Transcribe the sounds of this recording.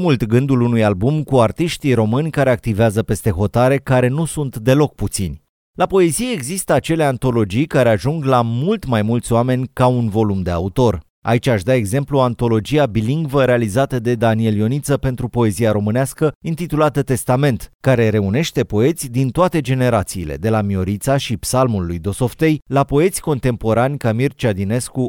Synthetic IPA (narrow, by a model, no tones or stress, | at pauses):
mult̪ɡɨnd̪ulunujalbumkuart̪iʃt̪iɾo̞mɨnʲkaɾe̞ak̚t̪iveazəpe̞st̪e̞ɦo̞t̪aɾe̞kaɾe̞nusunt̪d̪e̞lo̞k̚put̪sinʲ | lapo̞e̞zijeeɡzist̪əat͡ʃe̞le̞ant̪o̞lo̞d͡ʒijkaɾe̞aʒuŋɡlamult̪majmult̪sʲoame̞nʲkaunvo̞lumd̪e̞a̰ut̪o̞r | a̰it͡ʃʲaʃd̪ae̞ɡze̞mpluoant̪o̞lo̞d͡ʒiabiliŋɡvəɾe̞alizat̪əd̪e̞d̪anie̞ljo̞nit̪səpe̞nt̪ɾupo̞e̞zijaɾo̞mɨneaskəint̪it̪ulat̪ət̪e̞st̪ame̞nt̪kaɾe̞ɾe̞une̞ʃt̪e̞po̞e̞t̪sʲd̪int̪oat̪e̞d͡ʒe̞ne̞ɾat̪siːle̞̰d̪e̞lamio̞ɾit̪saʃipsalmulːujd̪o̞so̞ft̪e̞jlapo̞e̞t̪sʲko̞nt̪e̞mpo̞ɾanʲkamirt͡ʃad̪ine̞sku